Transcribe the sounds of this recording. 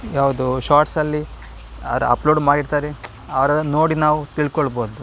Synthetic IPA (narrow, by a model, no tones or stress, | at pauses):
jaːʋud̪uʃaːɾʈsɐlːi | ɐ̰ɾuɐ̰ploːɖmaːɽiɽt̪aːɾe | ɐʋɐɾɐno̞ːɽinaːʋut̪iɭkoɭboːd̪u